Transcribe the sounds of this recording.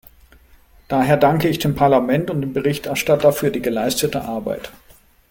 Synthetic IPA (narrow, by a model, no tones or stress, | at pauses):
d̥aːɦeːɐdaŋkəɪçd̥eːmpʰaɐlamɛntʊntd̥eːmbəʁɪçtɛɐʃtatafyːɐdiːɡəlaɪstətə̰ʔaɐba̰ɪt